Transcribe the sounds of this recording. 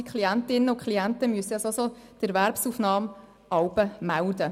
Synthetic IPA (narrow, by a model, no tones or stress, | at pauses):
ikʰliæntɪnːəʊkχliæntəmyəsəɑsosod̥əɾvæɾpsufnɑːm | ɑwbəmæwd̪ə